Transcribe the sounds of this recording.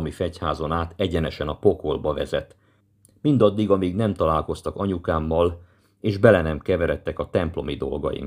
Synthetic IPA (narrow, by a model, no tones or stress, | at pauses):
mifɛchaːzo̞naːt̪ɛɟɛnɛʃɛnɒpo̞ko̞lbɒvɛ̰zɛ̰t̪ː | mind̪ɒd̪ːiɡɒmiːɡnɛmt̪ɒlaːlko̞st̪ɒkɒɲukaːmːɒl | eːʒbɛlɛnɛmkɛvɛɾɛt̪ːɛkɒt̪ɛmplo̞mid̪o̞lɡɒ̰jḭm